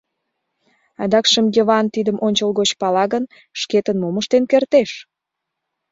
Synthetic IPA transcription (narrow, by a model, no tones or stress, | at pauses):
ɑd̪ɑkʃəmjoβɑnt̪id̪əmʔonʲt͡ɕəlˠɣot͡ɕpɑlɑɣən | ʃket̪ənmoməʃt̪enkert̪eʃ